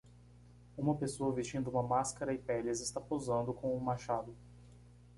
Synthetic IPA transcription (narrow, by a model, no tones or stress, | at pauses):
ũmɐpesoɐvist͡ʃĩnd̪ʊũmɐmaskɐɾɐɪpɛlɐzɪst̪apozɐ̃nd̪ʊkõũmaʃad̪ʊ